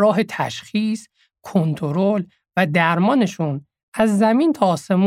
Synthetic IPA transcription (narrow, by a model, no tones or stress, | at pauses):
ɒːɦe̞t̪ʰæʃxiːs | kʰont̪ʰoɾol | væd̪æɾmɒːne̞ʃuːn | ʔæzːæmiːnt̪ʰɒːse̞mu